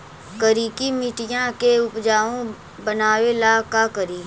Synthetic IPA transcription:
kəɾiːkimɪʈɪjãkeʊpd͡ʒaːõ | bənaːwelaːkakəɾiː

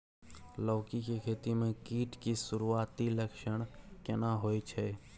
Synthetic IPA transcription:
ləːkikekʰeːt̪imẽkiːʈkisʊɾuaːt̪iləkʃəɳ̃kɪnaɦoːjt͡ʃʰe

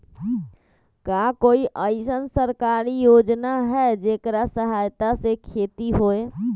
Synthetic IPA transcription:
kakoiʔəɪsənsəɾkaɾijod͡ʒnaɦɛd͡ʒekɾasəɦajt̪asekʰet̪iɦoe

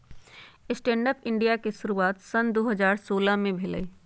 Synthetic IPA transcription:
ɪsʈẽːɳɖəpɪ̃ɳɖijakeʃʊɾuaːt̪sɐnd̪oːɦəzaːɾsoːlamẽbʱɪlə̰

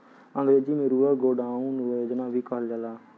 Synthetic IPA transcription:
ə̃ŋɡɾeːd͡ʒiːmeːɾuːaːɡoːɖaːũːnuːeːd͡ʒɪnãːʋiːkəɦld͡ʒəlaː

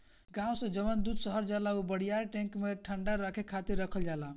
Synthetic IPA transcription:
ɡãũsə̃d͡ʒəmənd̪ud̪səɦəɾd͡ʒalaubəɽ̤ijaɾʈɛ̃ŋkmeʈʰəɳɖaɾəkʰekʰat̪iɾːəkʰəld͡ʒala

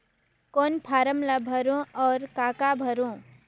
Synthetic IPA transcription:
koːnpʰaːɾəmlabʱəɾõɔːɾkaːkabʱəɾõ

